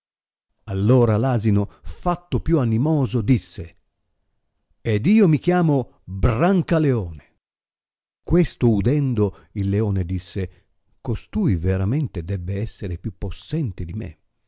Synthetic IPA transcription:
alːoːɾalaːzinofat̪ːopjuanimɔːzod̪isːe | ed̪iːomik̟jaːmo | braŋkaleɔːne | kwest̪oud̪ɛnd̪o | ilːeɔːned̪isːe | kost̪uːjveɾament̪ed̪ɛbːeɛsːeɾepjupːosːɛnt̪ed̪imḛ

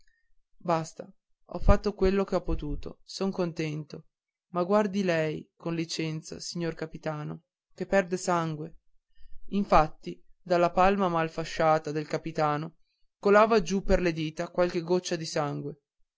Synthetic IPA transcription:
bast̪a | ɔ̰fːat̪ːokwelːokeɔpːot̪uːt̪o̰soŋkont̪ɛnt̪o | maɡward̪ilɛjkonlit͡ʃɛnt̪sa̰siɲːorkapit̪aːno | kepːɛrd̪esaŋɡwe | iɱfat̪ːid̪alːapalmamalfaʃːaːt̪ad̪elkapit̪aːno | kolaːvad͡ʒupːerled̪iːt̪akwalk̟eɡot͡ʃːad̪isaŋɡwe

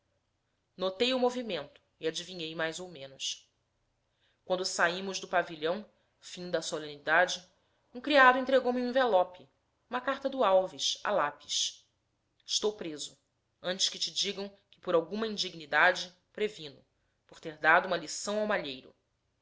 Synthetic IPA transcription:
not̪ejʊmovimẽnt̪ʊ̥iad͡ʒivĩɲejmajzowmẽnʊs | kwɐ̃nd̪ʊsaimʊʒd̪ʊpaviʎɐ̃w̃ | fĩd̪ɐsolẽnid̪ad͡ʒɪ | ũkɾiad̪ʊẽnt̪ɾeɡowmiũĩvelɔpɪ | ũmɐkaɾt̪ɐd̪ʊawviʃa̰lapi̥ʃ | ɪʃt̪owpɾezʊ | ɐ̃nt͡ʃɪ̥ʃkɪt͡ʃɪd͡ʒiɡɐ̃w̃ | kɪ̥pʊɾawɡũmɐĩnd͡ʒiɡnid̪ad͡ʒɪ | pɾevĩnʊ | poɾt̪eɾd̪ad̪uũmɐlisɐ̃w̃awmaʎejɾʊ̰

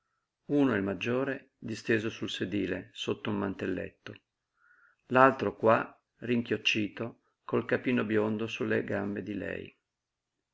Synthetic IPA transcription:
unoɛlmad͡ʒːoːɾe | d̪ist̪eːzosulsed̪iːlḛsot̪ːoumːant̪elːḛt̪ːo | lalt̪ɾokwa | riŋkjot͡ʃːiːt̪o | kolkapiːnobjond̪osulːeɡambed̪ilɛ̰j

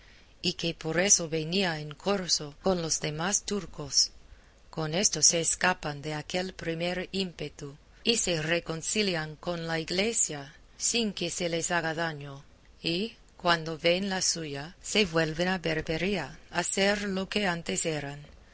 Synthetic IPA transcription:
ikepo̞ɾesoβeniaeŋkʰo̞ɾsoko̞nlo̞zðe̞mast̪uɾko̞s | ko̞ne̞st̪ose̞ːskapand̪e̞akelpɾimeɾimpet̪u | ise̞reko̞nsiljaŋko̞nlaiɣle̞sja | siŋkese̞le̞saɣaðaɲo | i | kwand̪oβe̞nlasuʝaseβwe̞lβenabeɾbeɾiaaseɾlo̞ke̞ant̪eseɾan

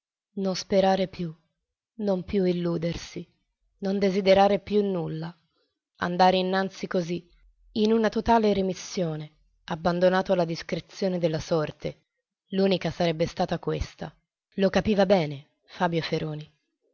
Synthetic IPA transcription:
nonspeɾaːɾepju | nompjuilːuːd̪ersi | nond̪ezid̪eɾaːɾepjunːulːa | a̰nd̪aːɾeinːant̪sikozi | inunat̪ot̪aːleɾimisːjoːne | abːand̪onaːt̪oalːad̪iskɾet̪sːjoːned̪elːasɔrt̪e | luːnikasaɾɛbːest̪aːt̪akwest̪a̰ | lokapiːvabɛːne | faːbjofeɾoːni

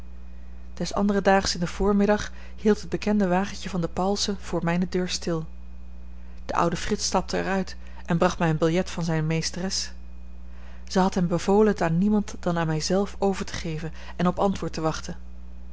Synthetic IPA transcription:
d̥ɛsɑ̰ndərədaːχəsɪndəv̥ʊːɹmɪdɑχ | hilˠtɦəd̚bəkɛndəʋaːχənjəvɑndəpɑlˠsəv̥ʊːɹmɛjnədøːɹstɪlˠ | d̥əʔʌ̰wdəfrɪtstɑp̚tʰəɛ̰ɹœɥt | ɛnbrɑχtmɛjənbɪlˠjɛtfɑnzɛjnmejstərɛs | z̥əɦɑtɦɛmbəvowləntaːɹnimɑntd̥ɑnaːnmɛjzɛlˠfowvəɹtə̥χejvən | ɛnɔpɑntʋʊːɹtəʋɑχtən

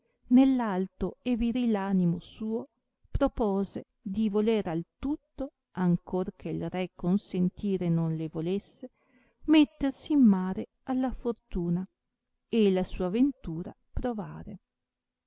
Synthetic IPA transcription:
nelːalt̪oeviɾilaːnimosuːo | pɾopoːze | d̪ivoleɾalt̪ut̪ːo | aŋkorkʰeilrɛkːonsent̪iːɾenonlevolesːe | met̪ːersiːmːaːɾe | alːafort̪uːna | elasuːavent̪uːɾa̰ | pɾovaːɾe

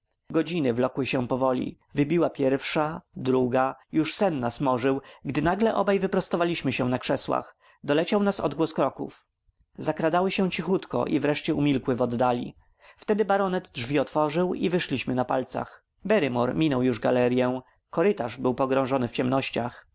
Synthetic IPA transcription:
ɡɔd͡ʑinɘvlɔkwɘɕɛ̃pɔvɔlʲḭ | vɘbʲiwapʲjɛɾfʂad̪ɾuɡajuʂsɛnːasmɔʐɘwɡd̪ɘnaɡlɛʔɔbajvɘpɾɔst̪ɔvalʲiɕmɘɕɛ̃nakʂɛswa̰x | d̪ɔlɛt͡ɕawnasɔ̰d̪ɡwɔskɾɔkṵf | zakɾad̪awɘɕɛ̃w̃t͡ɕixut̪kɔ̰ʔivɾɛʂt͡ɕɛumʲilkwɘvɔd̪ːalʲḭ | ft̪ɛd̪ɘbaɾɔnɛd̪dʐvʲiɔt̪fɔʐɘwḭvɘʂlʲiɕmɘnapalt̪sa̰x | bɛɾɘmɔɾmʲinɔwjuʐɡalɛɾʲjɛ̃ | kɔɾɘt̪aʐbɘwpɔɡɾɔ̃w̃ʐɔnɘft͡ɕɛmnɔɕt͡ɕax

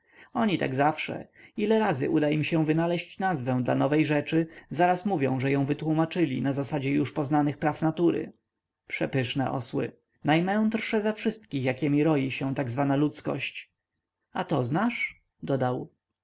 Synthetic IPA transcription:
ɔɲit̪a̰ɡzafʂɛ̰ilɛɾazɘ̰ʔud̪aimɕɛ̃vɘnalɛɕt͡ɕnazvɛ̃w̃d̪la̰nɔvɛjʐɛt͡ʂɘzaɾasmuvʲjɔ̰̃w̃ʐɛjɔ̃w̃vɘt̪wumat͡ʂɘlʲḭnazasad͡ʑɛjuʂpɔznanɘxpɾafnat̪uɾɘ̰ | pʂɛpɘʂnɛ̰ʔɔ̰swɘ̰ | najmɛ̃w̃d̪ɾʂɛzɛfʂɘst̪kʲixjakʲɛmʲiɾɔjiɕɛ̃t̪aɡzvanalut̪skɔ̰ɕt͡ɕ | at̪ɔznaʂ | d̪ɔd̪aw

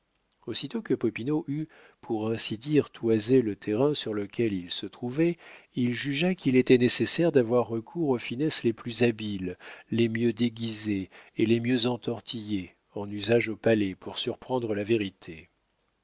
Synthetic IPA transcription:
osit̪okəpɔpinoʔy | pʰuʁɛ̃sid̪iʁt̪ʰwazelət̪ʰeʁɛ̃syʁləkʲɛlilsət̪χuvɛilʒyʒakʲilet̪ɛnesesɛʁd̪avwaʁːəkʰuʁofinɛsleplyzabilːemjød̪eɡʲizeːlemjøzɑ̃t̪ɔʁt̪ʰije | ɑ̃nyzaʒopalɛpuʁsyʁpχɑ̃d̪ʁəlaveʁit̪ʰe

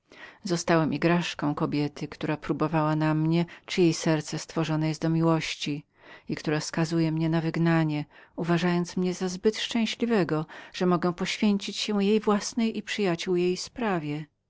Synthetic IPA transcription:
zɔst̪awɛmʔiɡɾaʂkɔ̃w̃kɔbʲjɛt̪ɘkt̪uɾapɾubɔvawanamɲɛt͡ʂɨjejsɛɾt̪sɛst̪fɔʐɔnajɛst̪d̪ɔmʲiwɔɕt͡ɕi | ikt̪uɾafskazujɛmɲɛnavɘɡnaɲɛuvaʐajɔnt̪smɲɛzazbɘt̪ʂt͡ʂɛ̃w̃ɕlʲivɛɡɔʐ̥ɛmɔɡɛw̃pɔɕfʲjeɲt͡ɕit͡ɕɕɛ̃jejvwasnɛjʔipʂɘjat͡ɕuwjejspɾavʲjɛ

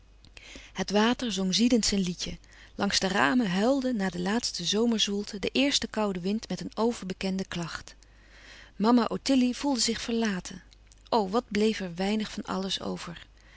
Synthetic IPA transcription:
hətʋaːtəɹzoŋzidəntsɛjnlicə | lʔɑŋzdəra̰ːməɦɛlˠdənaːdəlaːtstəzowməɹzulˠtədəʔɪːɹstəkɑwdəʋɪntmɛtənowvəɹbəkɛndəklɑχt | mɑmaʔotɪliv̥ulˠdəzɪχfəɹlaːtʰə | ʔowʋɑd̚blejfɛɹʋɛjnəχfɑnɑ̰ləso̰wvəɹ

